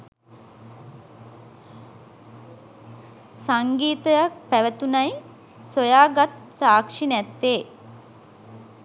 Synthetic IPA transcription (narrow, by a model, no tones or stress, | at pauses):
saŋɡiːt̪əjak̚pæʋət̪unaj | sojaːɡat̪̚saːkʂinæt̪ːeː